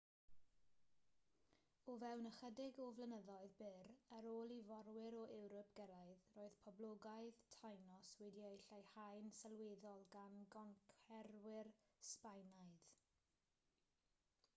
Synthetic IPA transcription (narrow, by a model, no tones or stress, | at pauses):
ɔvɛwnəχədɪɡɔvlənəðɔɨðbɪɾəɾoːlˠivɔɾwɪɾɔʔɛwɾɔpʰɡ̥əɾaɨðroːɨðpʰɔblˠɔɡaɨðtʰajnɔswɛdiejɬajhajnsɛlˠweːðɔlˠɡanɡɔŋkʰɛɾwɪrspajnaɨð